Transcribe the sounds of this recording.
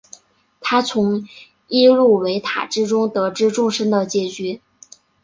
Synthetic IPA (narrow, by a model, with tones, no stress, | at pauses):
t̪ʰa˥t͡sʰʊ˧˥ŋ | i˥ɻu˥˩we˧˥ɪt̪ʰa̰˨˩ʈ͡ʂɻ̩˥ʈ͡ʂʊ˥ŋt̪ɤ˧˥ʈ͡ʂɻ̩˥ʈ͡ʂʊ˥˧ŋʂə˥nd̪ə˨t͡ɕjɛ˨˩t͡ɕy˧˥